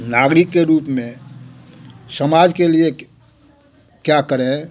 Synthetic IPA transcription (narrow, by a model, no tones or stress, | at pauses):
naːɡɾɪkːeɾuːpmẽ | səmaːd͡ʒkelie | kjakəɾẽ